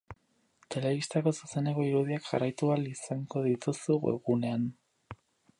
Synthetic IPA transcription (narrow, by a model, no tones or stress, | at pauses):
t̪e̞le̞βist̪ako̞suse̞ne̞ko̞iɾuðiakʝa̰rajt̪ualisaŋɡo̞ðit̪usuɣḛɣune̞an